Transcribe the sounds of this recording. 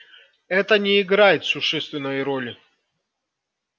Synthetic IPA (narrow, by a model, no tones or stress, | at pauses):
ɛt̪ənʲɛɪɡɾajɪt̪sʊʂɛst̪vʲɪnəjɾolʲɪ